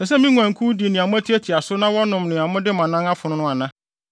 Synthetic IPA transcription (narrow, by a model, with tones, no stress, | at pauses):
sɛ˨sɛ˦mĩ˦ŋu˨æ̃˨ŋ̩˨kʰu˦di˨nɪ̃˨a˨mʊ̃˦æ˦tʰi˦æ˦tʰi˨a˨sʊ˦nã˦wɔ˦nʊ̃˨mnɪ̃˨a˨mʊ̃˦dɪ˦mã˨nã˦ŋa˦fʊ˨nʊ̃˦nʊ̃˦a˨nã˦